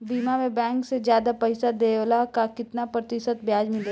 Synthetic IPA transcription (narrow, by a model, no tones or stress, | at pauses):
biːmamẽbɛ̃ːŋksed͡ʒjaːd̪apɐɪsad̪eːlakakɪt̪napɾɐt̪ɪʃət̪bjaːd͡ʒmɪle